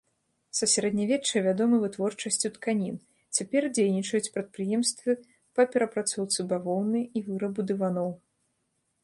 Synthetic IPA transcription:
sɐsʲaɾɐd̪nʲavʲɛt͡ʂːɨjvʲad̪ɔmɨvɨt̪vɔrt͡ʂɐsʲt͡sʲut̪kanʲin | t͡sʲapʲɛrd͡zʲejnʲit͡ʂɐjut͡sʲpɾɐt̪̚pɾɨjɛmst̪vɨ | pɐpʲɛɾɐpɾat̪sɔwt̪sɨbavɔwnɨjivɨɾɐbud̪ɨvanɔw

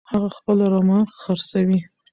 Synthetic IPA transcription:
haɣaxpəlaɾɑmɑxəɾsawi

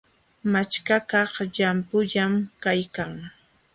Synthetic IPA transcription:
mat͡ʃkakɑχʎampʊʎamkajkaŋ

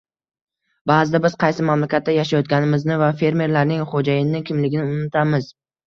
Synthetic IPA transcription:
baːzɪd̪abɪz̥qʰɑjsɪmamlakʲʰat̪ːajaʃajɒt̪̚kʲanɪmɪznɪvafe̞ɾme̞ɾlaɾnɪŋχod͡ʒajɪnɪkʲʰɪmlɪɡʲɪnɪʊnɪt̪ʰamɪz̥

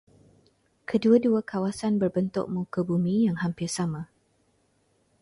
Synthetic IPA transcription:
kʰəduaduakʰawasanbərbənt̪ʊ̰ʔ̚mukəbumĩjaŋɦampɪrsama

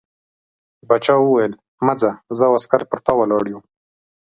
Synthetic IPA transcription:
bat͡ʃɑwəwajəl | mad͡zazəwaskaɾpəɾt̪ɑwalɑɽju

